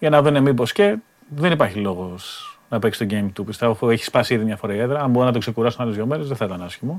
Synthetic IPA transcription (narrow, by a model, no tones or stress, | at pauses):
ʝɐnɐvɾunemibo̞sce̞ | ðenipɐɾçilo̞ɣo̞snɐpeksi̥st̪o̞ɟejmt̪upist̪evofueçi̥spɐsiiðimɲɐfoɾɐieðɾɐɐmboɾinɐt̪okse̞kuɾɐst̪unɐlozʝome̞nuzðeθɐit̪ɐnɐsçimo